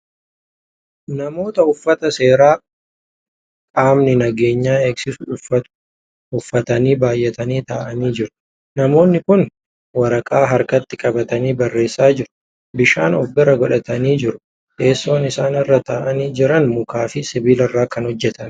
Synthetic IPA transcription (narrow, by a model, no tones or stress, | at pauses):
nɐmo̞ːt̪ɐʊfːɐt̪ɐse̞ːɾaː | kʼaːmnɪnɐɡe̞ːɲːaːeːksɪsʊʊfɐtʊ̥ | ʊfːɐt̪ɐniːbaːjʔɛt̪ɐniːt̪aːʔɐniːd͡ʒɪɾʊ̥ | nɐmo̞ːnːɪkʊn | wɐɾɐkʼaːɦɐɾkɐt̪ːɪkʼɐbɐt̪ɐniːbɐrːe̞ːsːaːd͡ʒɪɾʊ̥ | bɪʃaːnɔbːɪɾɐɡɔᶑɐt̪ɐniːd͡ʒɪɾʊ̥ | ke̞ːsːo̞ːnɪsaːnɪrːɐt̪aːʔɐniːd͡ʒɪɾɐnmʊkaːfɪsɪbiːlɪrːaːkɐnhɔd͡ʒːɛt̪ɐn